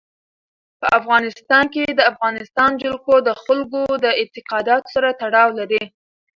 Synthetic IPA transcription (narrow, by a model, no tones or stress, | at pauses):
pəʔafɣɑnɪst̪ɑnked̪əafɣɑnɪst̪ɑnd͡ʒʊlkod̪əxʊlɡod̪əɪnt̪ɪqɑd̪ɑt̪o̥saɾat̪aɽɑwlaɾi